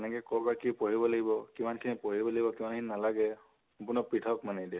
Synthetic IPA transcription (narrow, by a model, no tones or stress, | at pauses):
ɛnɛkɛkɔɹbakipoɹibɔlaɡibɔkimankʰinipoɹibɔlaɡibɔkimankʰininalaɡɛ | apʊnɔpɹitʰakmanɛdɛ